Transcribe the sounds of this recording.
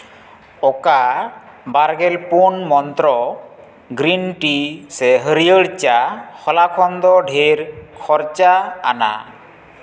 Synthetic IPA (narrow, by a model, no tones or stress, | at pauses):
ɔka | baɾɡɛlpunmɔnt̪ɾɔ | ɡɾinʈisɛɦəɾijəɽt͡ʃakʰɔlakʰɔnd̪ɔɖʱeɾkʰɔɾt͡ʃa̰ːna̰